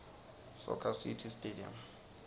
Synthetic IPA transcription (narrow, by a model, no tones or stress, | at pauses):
sɔ̰kʰasitʰistʼedia̰m